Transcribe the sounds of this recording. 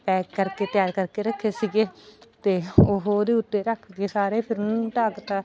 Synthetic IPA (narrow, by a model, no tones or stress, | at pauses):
pɛːkːəɾkeːt̪ɪjaːɾkəɾkeːɾəkʰːeːsiɡeːt̪eːoːɦoːd̪eːʊt̪ːeːɾəkʰɡeːsaːɾeːpʰɪɾnʈaːkt̪aː